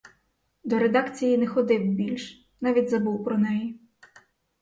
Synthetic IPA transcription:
d̪ɔɾed̪ɑkt͡sʲijinɛxɔd̪ɪwbʲilʲʃ | nɑʋʲidʲzɐbuwpɾɔnɛji

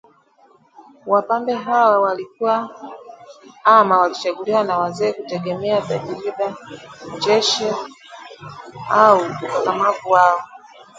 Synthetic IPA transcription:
wapambɛɦawawalikuwa | amawalit͡ʃaɡuliwanawazɛːkutɛɡɛmɛataʄiɾiɗad͡ʒɛʃi | auukakamavuwaɔ

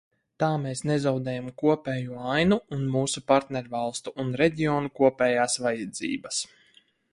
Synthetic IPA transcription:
t̪aːmeːsnezawd̪ɛːjamkuɔpɛːjuajnuːnmuːsupaɾt̪nɛɾvalˠst̪uʔːnɾɛɟʲiɔːnukuɔpʲɛːjaːsvajɛd̪zḭːbɐs

